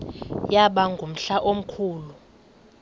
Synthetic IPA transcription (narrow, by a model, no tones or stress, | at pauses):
jaɓaŋɡʱum̩ɬaʔom̩kʰuːlu